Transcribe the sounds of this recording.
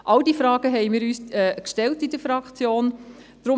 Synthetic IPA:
ʔɑldiːfɾɑːɡ̥əɦɛɪmiːɾyːsɛkʃtɛltidəfɾɑkχt͡sjoːn | d̥ɾʊ

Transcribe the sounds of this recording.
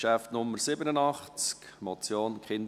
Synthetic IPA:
ʃæft̪nʊmːəɾsɪbənənɑχt͡sk | mɔt͡sjoːnkʰχɪnd

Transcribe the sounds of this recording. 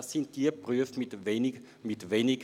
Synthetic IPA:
sːɪntd̥iːəpʁyəfmɪt | mɪtʋeːnɪ

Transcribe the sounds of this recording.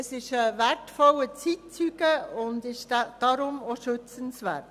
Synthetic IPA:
əsɪʃəvæɾtfɔlət͡sit̚t͡syːɡəʊndɪʃdad̥ɑɾʊmoʃɵt͡sənsʋæ̰ːɾt

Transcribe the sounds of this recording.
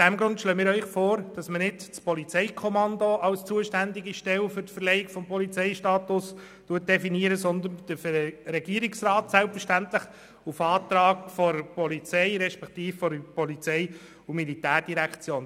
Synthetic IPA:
ʊsd̥æmɡɾʊntʃløːmɪːɾœʏχfɔːɾd̥ɑsmənɪdt͡spɔlit͡sɛɪkʰɔmɑndoʔɑlst͡suəʃtænd̪iɡiʃtɛwfʏɾtfəɾlɛjɪkfɔmpʰɔlit͡sɛɪʃtɑːt̪ʊs | tuət̚d̥ɛfiniəɾəsɔnd̪ənd̥əfɾɛɡ̥iəɾiksrɑːtsælpfəʃtænt̪ləχ | ufɑːt̪ɾɑːɡfɔɾpɔlit͡sɛɪɾɛʃpɛkt̪iːffɔɾpɔlit͡sɛɪ | umilitæːɾd̥iɾækt͡sjoːn

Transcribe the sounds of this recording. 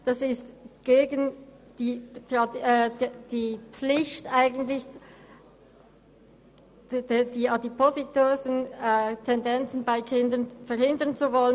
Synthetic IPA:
d̥asɪstɡ̥eːɡən | d̥i̥ːɑdɛːd̥iːp͡flɪçtʔaɪɡən̩tlɪç | diɑdipʰozitøːznɛtʰɛndɛnt͡sn̩baɪkʰɪndənfɛɐɾhɪndənt͡suvɔlən

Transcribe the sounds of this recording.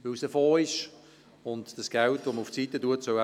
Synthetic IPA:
ʋʏwsəfoːɪʃ | ʊndd̥ɑsɡ̥ɛltvʋoməʊft͡siːtːətuətsœa

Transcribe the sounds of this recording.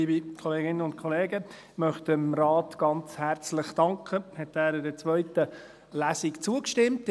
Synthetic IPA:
liːbikʰɔleːɡɪnənʊntkʰɔleːɡə | mœχtəmrɑːtɡ̥ɑnt͡shæɾt͡slɪχd̥ɑŋkχəhɛtæːɾɪdət͡sʋœʏtə | læsikt͡suəkʃtɪmt

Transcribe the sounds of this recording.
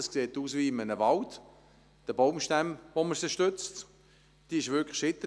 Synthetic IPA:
ɑskseːtuːsviːɪmənəvɑlt | d̥əbowmʃtæmʋoməɾsɪʃtʏt͡st | d̥iɪʃʋʏkʰlə̥ʃɪtə

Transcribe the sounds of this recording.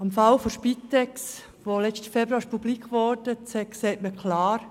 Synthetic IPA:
ɑmfɑlfoʃpitɛks | ʋolɛt͡stə̥fɛbɾuɑːɪʃpublikʋɔɾdət͡sɛkseːtməkʰlɑːɾ

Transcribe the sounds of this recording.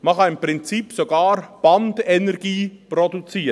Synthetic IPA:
məχɑɪmpɾɪnt͡sipsoɡɑːɾb̥ɑndɛnɛɾɡiːprɔdut͡siː

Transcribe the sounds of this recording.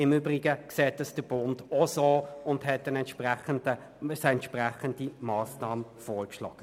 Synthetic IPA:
ɪmyːbʁɪɡəkseːt̚dɑsd̥əb̥ʊndosoːʊndhɛt̚ːɛnɛntʃpʁɛχəndə | sɛntʃpraχəndimɑːsnɑːməfɔːɾkʃlɑ̰ːɡ̥ə

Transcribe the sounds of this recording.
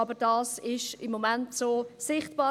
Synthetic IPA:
ɑbəɾdɑːsɪʃɪmːomɛntsoːsɪχtb̥ɑː

